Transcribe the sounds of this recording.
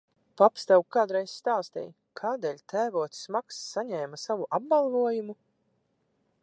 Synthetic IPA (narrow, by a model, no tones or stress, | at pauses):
papst̪awkkːaːd̪ɾɛjsʲst̪aːst̪ɛ̰j | kʰaːd̪ɛːlʲt̪ʰæːvuɔt̪smaksːaɲɛːmasavuʔab̚balˠvuɔjumu